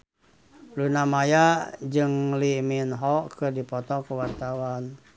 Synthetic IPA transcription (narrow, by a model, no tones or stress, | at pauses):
lunamajaʔd͡ʒɨŋliminɦɔkɨrdipɔt̪ɔkuwart̪awan